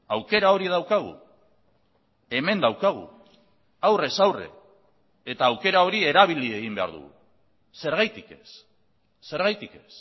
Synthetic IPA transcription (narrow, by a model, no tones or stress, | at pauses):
awke̞ɾao̞ɾið̞awkaɣ̞ṵ | e̞me̞nd̪awkaɣ̞ṵ | awre̞sawrḛ | et̪aːwke̞ɾao̞ɾie̞ɾaβ̞ilie̞ɣ̞imbe̞a̰ɾðṵɣṵ | se̞ɾɣajt̪ike̞sː | e̞ɾɣajt̪ike̞̥s